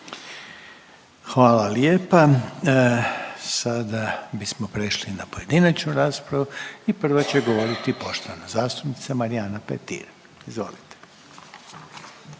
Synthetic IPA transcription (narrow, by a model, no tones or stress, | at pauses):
xʋaːlaljeːpa | sad̪abismo̞pɾeʃlinapo̞je̞d̪inat͡ʃnuɾaːspɾaʋuipr̩ʋat͡ɕeɡo̞ʋo̞ɾit̪ipo̞ʃt̪o̞ʋanazaːst̪u̥pnit̪samaɾianapḛt̪ḭɾ | izʋo̞̰lit̪e̥